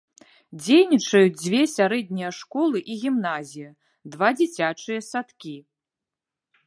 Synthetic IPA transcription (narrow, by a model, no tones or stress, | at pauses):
d͡zʲejnʲit͡ʂɐjud͡zʲd͡zʲvʲɛsʲaɾɛd̪̚ʲnʲijɐʂkɔlˠɨʔiɣʲimnazʲijɐ | d̪vad͡zʲit͡sʲat͡ʂɨjɐsat̪kʲi